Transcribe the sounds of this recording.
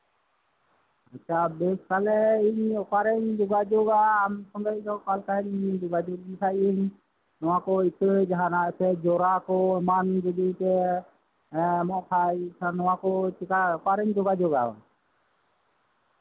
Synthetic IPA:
atːt͡ʃʰabɛskalɛiɲɔkaɾɛɲd͡ʒɔɡad͡ʒɔɡaːmsɔnd̪ajdɔkalkaɦɛɲɲd͡ʒɔɡad͡ʒoɡ̚disʰajiɲ | nɔwakɔisʰəd͡ʒaɦãnasɛd͡ʒɔɾakɔmand͡ʒɔd̪it̪ɛ | mɔʔpʰajsʰanɔwakɔt͡ʃikaɔkaɾɛɲd͡ʒɔɡad͡ʒɔɡa̰

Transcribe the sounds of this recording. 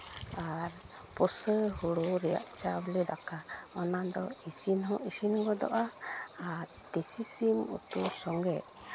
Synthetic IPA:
aɾpɔsəɦuɽuɾɛja̰ʔt͡ʃablɛɾakaɔnad̪ɔisinɦɔ̃ʔisinɡɔd̪ɔ̰ʔaː | ɾt̪isisimṵt̪usɔŋɡɛʔ

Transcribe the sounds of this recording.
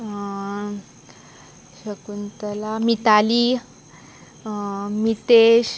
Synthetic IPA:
ɕəkunt̪əlamit̪ali | mit̪eɕ

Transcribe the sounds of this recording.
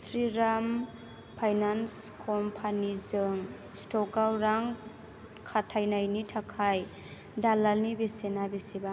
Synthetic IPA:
sɾiɾam | pʰajnanskʰɔmpʰanizɯŋ | stɔkɡawɾaŋ | kʰatʰajnajnitʰakʰaj | dalalnibesenabeseba

